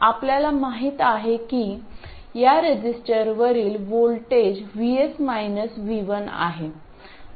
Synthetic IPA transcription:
apljalamaɦiːt̪aɦekiː | jaɾed͡ʑisʈəɾʋəɾiːlʋolʈed͡ʑʋiesmajnəsʋiʋəna̰ɦe

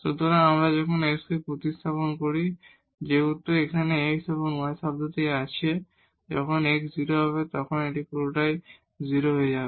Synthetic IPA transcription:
ʃut̪oɾaamɾad͡ʑɔkʰoneksbipɾot̪ist̪ʰaponkoɾi | d͡ʑeut̪ːoekʰaneekst̪ʰaponaesab̚d̪ʱot̪iat͡ɕʰie | d͡ʑɔ̰kʰonekziɾoɦɔβet̪ɔkʰoneʈikuɾoʈaj | ziɾoɦoed͡ʑabe

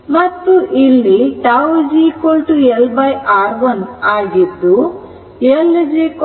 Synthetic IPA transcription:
mɐt̪ːuʔilːiʈaːwd͡ʒiːkolʈuelbɐjʔaːɾʋɐnaːɡid̪ːu | eld͡ʒiːk

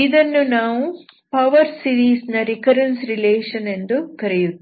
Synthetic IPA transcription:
id̪ɐnːunaːʋupɐʋɐɾsiɾiːsnɐɾikɐɾensɾileːʂɐne̞nd̪ukɐɾɛjut̪ː

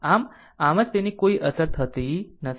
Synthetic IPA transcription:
am | amət͡st̪eniːkoiːʔəsəɾt̪ɦət̪inəs

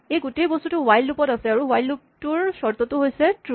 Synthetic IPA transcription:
ejɡutejbɔstutuwajlːupɔtasɛaɹuwajlːup̚tuɹsɔɹt̪ɔtuɦojsɛtɹu

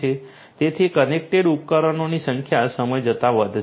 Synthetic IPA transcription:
e | t̪et̪ʰikənek̚ʈeɖup̚kəɾənonisəŋkʰjasəməjd͡ʒət̪aʋəd̪ʱ

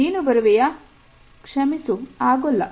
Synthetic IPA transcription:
iːnubɐɾɐʋɛjɐ | kʂɐmisuaːɡɔlːɐ̰

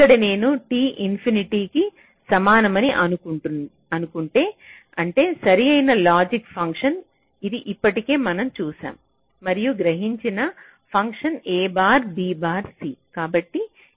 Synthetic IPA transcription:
kːɐɽɐne̞ːnuʈiːʔinpʰiniʈiːki | sɐmaːnɐmɐniʔɐnukuɳun | ɐnukuɳʈe̞ː | ɐɳʈe̞ːsɐɾiɐjnɐlaːd͡ʒikpʰɐŋkʂɐn | id̪iʔipːɐʈike̞ːmɐnɐmt͡ʃuːsa̰ːm | mɐɾijuɡɾɐɦiɲt͡ʃinɐ | pʰɐŋkʂɐneːbaːɾbiːbaːɾsiːkaːbɐʈːi

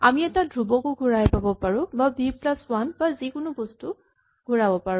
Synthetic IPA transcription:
amiɛtadɹubɔkʊɡʱuɹajpabɔpaɹʊ̃babiplaswanbazikʊnʊbostʊ | ɡ̥ʱuɹabɔpaɹʊ̃

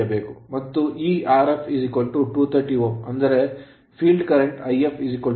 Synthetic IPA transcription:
ɐbeːkumɐt̪ːuʔiːaːɾepʰizikʋɐlʈuʈuːt̪ʰɐɾʈiːʋɐmɐnd̪ɐɾe̞ | pʰiːlɖkɐɾeɳʈɐjepʰid͡ʒikʋɐ

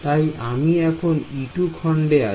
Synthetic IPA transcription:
t̪ajamiɛkʰoniʈukʰɔɳɖea

